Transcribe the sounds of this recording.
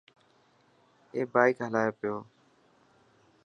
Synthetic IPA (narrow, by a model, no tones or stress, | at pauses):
eːbaːɪkɦəlaːjoːpɪjoː